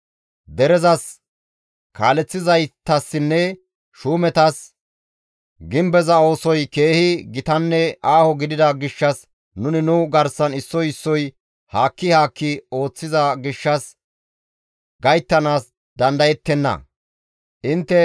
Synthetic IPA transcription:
d̪ɛɾɛzɐs | kaːlɛt͡sːɪzɐjt̪ːɐsːɪnːɛ | ʃuːmɛt̪ɐs | ɡɪmbɛzɐo̞ːsɔjke̞ːhɪɡɪt̪ɐnːɛʔaːhɔɡɪd̪ɪd̪ɐɡɪʃːɐs | nʊnɪnʊɡɐɾsɐnɪsːɔjɪsːɔj | haːkːɪhaːkːɪo̞ːt͡sːɪzɐɡɪʃːɐs | ɡɐjt̪ːɐnaːs | d̪ɐnd̪ɐjɛt̪ːɛnːɐ̰ | ʔɪnt̪ːɛ

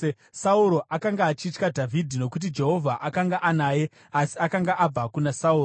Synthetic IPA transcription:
sauɾo̞ʔakaŋɡaːt͡ʃitkadʱavʱidʱino̞kut̬id͡ʒe̞ɦo̞vʱaʔakaŋɡaʔanaːje̞ | asiakaŋɡaʔab͡vakunasauːro

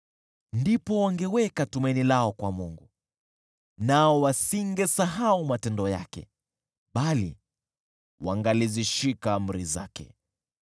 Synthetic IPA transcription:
ndipɔwaŋɡɛwɛkatumainilaɔkwamuŋɡu | naɔwasiŋɡɛsaɦaumatɛndɔja̰kɛ̰ | ɓalḭ | waŋɡaliziʃikam̩ɾiza̰kɛ̰

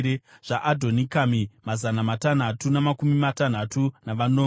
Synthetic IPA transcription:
eʐ̥aʔadʱo̞nikamimazanamatan̤atunamakumimatan̤atʰunaʋanoː

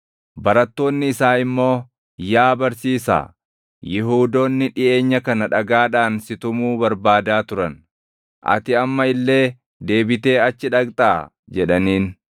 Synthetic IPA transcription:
bɐɾɐt̪ːo̞ːnːɪːsaːɪmːo̞ː | jaːbɐɾsiːsa̰ː | jɪɦuːd̪o̞ːnːɪᶑɪʔe̞ːɲːɐkɐnɐᶑɐɡaːᶑaːnsɪt̪ʊmuːbɐɾbaːd̪aːt̪ʊɾɐn | ʔɐ̰t̪ɪɐmːɐɪlːe̞ː | d̪e̞ːbɪt̪e̞ːɐt͡ʃːɪᶑɐkt̪ʼaː | d͡ʒɛᶑɐniːn

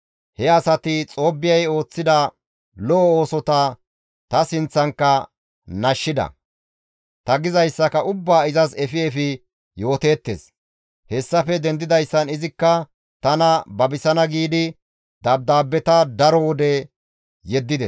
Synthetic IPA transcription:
hɛɐsɐt̪ɪt͡sʼo̞ːbːɪjɐjo̞ːt͡sːɪd̪ɐ | lɔɔo̞ːsɔt̪ɐ | t̪ɐsɪnt͡sːɐŋkːɐ | nɐʃːɪd̪ɐ̰ | t̪ɐɡɪzɐjsːɐkɐʔʊbːaːɪzɐsɛfɪɛfɪ | jo̞ːt̪eːt̪ːḛs | hɛsːɐfɛd̪ɛnd̪ɪd̪ɐjsːɐnɪzɪkːɐ | t̪ɐnɐbɐbɪsɐnɐɡiːd̪ɪ | d̪ɐb̚d̪aːbːɛt̪ɐd̪ɐɾɔwɔd̪ɛ | jɛd̪ːɪd̪ɛs

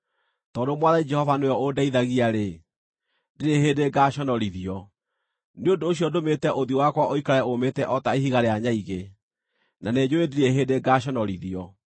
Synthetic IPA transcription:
tɔːdomwaðaid͡ʒɛhɔvanojɔodaiðaɣiaɾe | diɾeheːdeɡaɕɔnɔɾiðiɔ | neondoːɕjɔdometɛʔoðiowakwaʔoikaɾɛometɛʔɔtaehiɣaɾeaɲaiɣe | naned͡ʑoediɾeɦeːdeɡaɕɔnɔɾiðiɔ

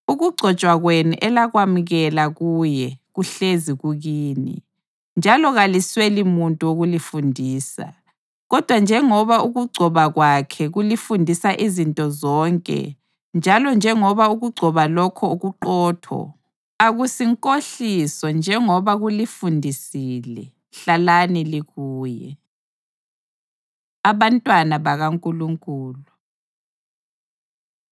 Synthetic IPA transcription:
uɣuɡ͡ǀʱɔt͡ʃʼwaɣwenuʔɛlaɣwamuɣɛlaɣuːjɛɣuɬeziɣuɣiːnḭ | nd͡ʒʱalɔɣaliswelimuntʼuoɣulifundʱiːsa̰ | ɣɔd̥ʱwand͡ʒʱɛŋɔβauɣuɡ͡ǀʱɔβaɣwakʰɛɣulifundʱisaʔizintʼɔzɔːŋkʼɛ̰ | nd͡ʒʱalɔnd͡ʒʱɛŋɔβauɣuɡ͡ǀʱɔβalɔkʰɔuɣuǃɔːtʰɔ̰ | aɣusiŋkʼoɬisɔnd͡ʒʱɛŋɔβaɣulifundʱisiːlɛ | ɬalaniliɣuːjɛ̰ | aβantʼwanaβaɣaŋkʼuluŋkʼuːlu

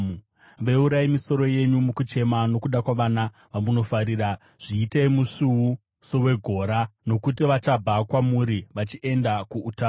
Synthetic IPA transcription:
ʋeuɾaimiso̞ɾo̞je̞ɲumukut͡ʃe̞mano̞kuɗakwaʋaːna | ʋamuno̞faɾiːɾa | ʐ̥iːteimuʂuwu | sowe̞ɡʱo̞ɾano̞kut̬iʋat͡ʃabʱakwamuɾiʋat͡ʃiʔe̞ndakuʔːtaː

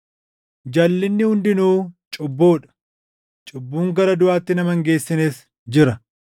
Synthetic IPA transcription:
d͡ʒɐlːɪnːɪhʊnd̪ɪnuːt͡ʃʼʊbːoːᶑɐ̥ | t͡ʃʼʊbːuːŋɡɐɾɐd̪ʊʔaːt̪ːɪnɐmɐŋɡe̞ːsːɪneːs | d͡ʒɪɾɐ

